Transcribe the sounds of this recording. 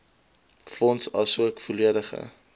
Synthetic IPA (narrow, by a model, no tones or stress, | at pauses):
fɔnsɐlˠsuəkfoliədəχə̰